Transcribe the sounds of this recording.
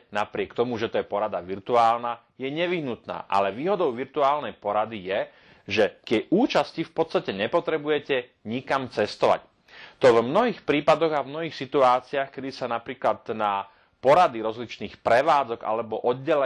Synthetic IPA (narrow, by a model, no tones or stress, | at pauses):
napɾɪɛkt̪ɔmuʒɛt̪ɔjɛpɔɾad̪aʋiɾt̪uaːlna | jɛɲɛʋiɦnut̪na̰ːʔa̰lɛʋiːɦɔd̪ɔʊʋiɾt̪uaːlnɛjpɔɾad̪ijɛ | ʒɛkjɛʔuːt͡ʃascifpɔt̪st̪acɛɲɛpɔt̪ɾɛbujɛcɛɲikamt͡sɛst̪ɔʋa̰c | t̪ɔvmnɔɦiːxpɾiːpad̪ɔɣavmnɔɦiːxsit̪uaːt͡siaxkɛd̪isanapɾiːklad̪na | pɔɾad̪iɾɔzlit͡ʃniːxpɾɛʋaːd͡zɔɡa̰lɛbɔʔɔd̪̚ɟɛlɛ